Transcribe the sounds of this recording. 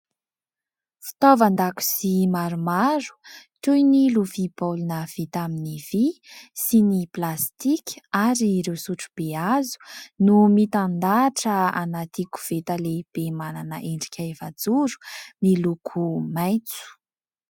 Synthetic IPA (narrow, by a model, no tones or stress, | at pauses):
fi̥t̪ovand̪aku̥simaɾumaɾu̥t̪ujniluvibolunəv̥it̪aminivisiniplast̪ikʲaɾiːɾewsuʈ͡ʂu̥b̥eazu̥numit̪and̪aʈ͡ʂəanat̪iku̥v̥et̪aleb̥emananəʔeɳɖ͡ʐi̥kʰʲaevad͡zuɾu̥milukʰumajt͡su̥